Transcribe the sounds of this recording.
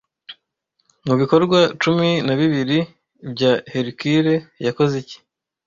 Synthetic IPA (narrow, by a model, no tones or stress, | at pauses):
muβiko̞ɾɡwat͡ʃuminaβiβiɾi | bɟaheɾikiɾe̞jako̞zici̥